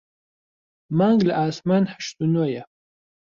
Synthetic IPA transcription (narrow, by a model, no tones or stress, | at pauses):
maŋɡlʔaːsmanħə̥ʃt̪unojɛ